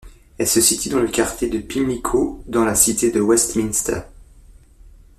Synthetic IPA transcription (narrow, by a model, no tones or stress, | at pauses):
ɛlsəsit̪ɥid̪ɑ̃ləkaʁt̪ʲjed̪əpimikʰod̪ɑ̃lasit̪ed̪əwɛst̪minst̪ə̰ʁ